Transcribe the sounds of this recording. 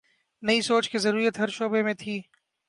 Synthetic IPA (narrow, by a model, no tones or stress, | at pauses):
nɐisoːt͡ʃkizɐɾuːɾət̪ɦɐɾʃoːbemẽt̪ʰiː